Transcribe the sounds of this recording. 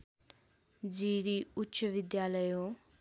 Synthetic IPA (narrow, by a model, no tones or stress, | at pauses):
d͡ʒiːɾiːʊtːʃəʋɪd̪jaːləjoː